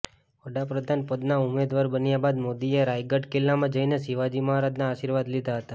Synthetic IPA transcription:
ʋəɽapɾəd̪ʱanpəd̪naʊmed̪ʋaɾbənjabad̪mod̪ieɾajɡəʈkelːamãd͡ʒəinesiʋad͡ʒiməɦaɾad̪naːʃiɾʋad̪lid̪ʱaɦət̪a

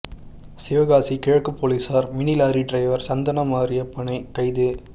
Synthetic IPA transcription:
seːʋɐɣaːsikɪɻɐkːɯpːoːlisaːɾmɪnɪlaːɾiʈrɐɪʋɐɾsɐnd̪ɐnɐmaːɾɪjɐpːɐɳɐɪkɐɪðe

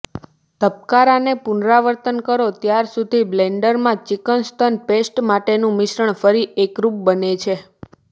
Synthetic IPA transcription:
t̪əp̚kaɾanepunɾaʋəɾt̪ənkəɾot̪jaɾsud̪ʱibleɳɖəɾmãt͡ʃikənst̪ʰənpesʈmaʈenũmɪʃɾəɳfəɾiekɾup̚bənet͡ʃʰe

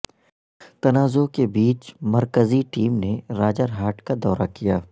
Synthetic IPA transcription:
t̪ɐnaːzokebiːt͡ʃmɐɾkəziʈiːmneɾaːd͡ʒəɾɦaːʈkad̪ɔːɾakijaː

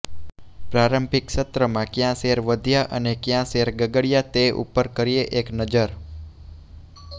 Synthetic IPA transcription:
pɾaɾəmbʱɪkʃət̪ɾəmãkjãseɾʋəd̪ʱijaʔə̰nekjãseɾɡəɡəɽjat̪eʔṵpəɾkəɾieʔeknəd͡ʒəɾ

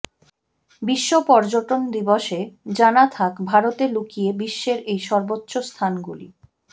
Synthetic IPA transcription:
biʃːopɔɾd͡ʑoʈond̪iboʃed͡ʑanat̪ʰakbʱaɾot̪elukijebiʃːeɾejʃɔɾbotːɕost̪ʰanɡulḭ

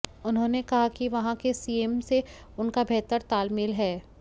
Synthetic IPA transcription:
ʊnɦõːnekɐɦakiʋɐɦãkesiːeːmse | ʊnkabʱɛːt̪əɾt̪aːlmɪlɦɛː

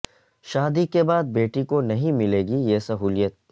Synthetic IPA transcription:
ʃaːd̪ikebaːd̪̚beːʈikonɐɦĩmɪleːɡijeːsɐɦuːlijət̪̚

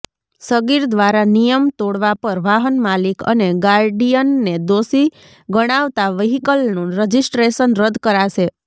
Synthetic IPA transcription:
səɡiɾd̪ʋaɾanijəmt̪oɽʋapəɾʋaɦənmalikə̰neɡaɾɖijənːed̪osi | ɡəɽ̃aʋt̪aʋəɦikəlnũɾəd͡ʒisʈɾeʃənɾəd̪kəɾaʃe

